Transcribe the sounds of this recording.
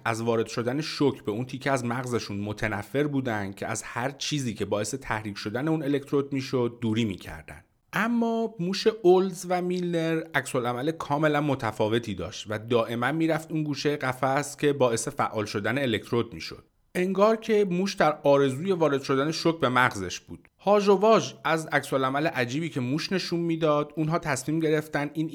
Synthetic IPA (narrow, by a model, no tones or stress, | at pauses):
ʔæzvɒːɾe̞d̪̥ʃo̞d̪æne̞ʃocʰbe̞unt̪ʰiːcʰːeæzmæɣzeʃunmo̞t̪ʰenæfːe̞ɾbuːd̪ænd̪̥̚cʰe̞æ̰zhæɾt͡ʃʰiːziːcʰe̞bɒːe̞se̞t̪ʰæhɾiːcʰʃo̞d̪æneuːne̞le̞kt̪ʰɾo̞d̪̚miːʃo̞d̪̚ːuːɾiːmiːcʰæ̰ɾd̪æ̰nd̪ | ʔæmːɒːmuːʃe̞ʔolzvæmilːe̞ɾæcsolæmælekʰɒːme̞lænmo̞t̪ʰæfɒːve̞t̪ʰiːd̪ɒ̰ːʃt̪væd̪ɒːʔe̞mænmiːɾæft̪unɡuːʃejeɢæfæst̪cʰʲe̞bɒːe̞se̞fæ̰ʔːɒːlʃo̞d̪æneːle̞c̚t̪ʰɾod̪̚mḭːʃo̞̰d̪̥̚ | ʔe̞ŋɡɒːɾcʰe̞muːʃd̪æɾɒːɾe̞zuːje̞vɒːɾe̞d̪̥ʃo̞d̪æne̞ʃocʰbe̞mæɣze̞̰ʃb̥ṵːd̪̥hɒːʒo̞vɒːʒæzæcsolæmæle̞ʔæd͡ʒiːbiːcʰe̞muːʃne̞ʃuːnmiːd̪ɒːd̪uːnɦɒːt̪ʰæsmiːmɟe̞ɾe̞ft̪æniːn